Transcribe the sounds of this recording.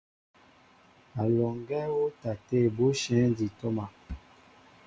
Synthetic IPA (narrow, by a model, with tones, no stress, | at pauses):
a˨lɔ˨ŋɡɛ˦wo˦ta˨te˦˨bo˦ʃɛ̃˨˦ndi˨tɔ˦ma˨